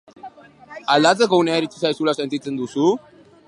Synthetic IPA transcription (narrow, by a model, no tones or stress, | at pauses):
alat͡səkəwnaaɾit͡sisajsulasant̪it͡sənd̪usu